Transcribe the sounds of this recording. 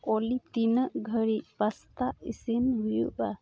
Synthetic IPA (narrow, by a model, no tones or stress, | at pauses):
ɔlit̪inəʔɡʱəɾic̚past̪aʔisinbujṵʔa